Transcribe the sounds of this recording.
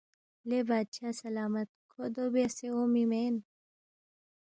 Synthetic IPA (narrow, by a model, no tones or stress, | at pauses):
leːbaːd̪ɕaːsɐlaːmɐt̪̚kʰod̪oːbeseoːmimeːn